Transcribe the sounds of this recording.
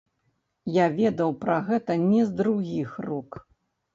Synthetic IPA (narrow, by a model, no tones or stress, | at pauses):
javʲɛd̪ɐwpɾɐɣɛt̪ɐnʲɛzd̪ɾuɣʲixruk